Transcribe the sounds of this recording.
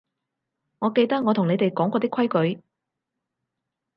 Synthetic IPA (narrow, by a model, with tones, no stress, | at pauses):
ŋɔː˨˧ke˧jt̪ɐ˥k̚ŋɔː˨˧ʊ˨˩ŋne˨˧jt̪e˨jkɔː˨˥ŋkɔː˨˧t̪iː˥kʰwɐ˥jkɵ˨˥ɥ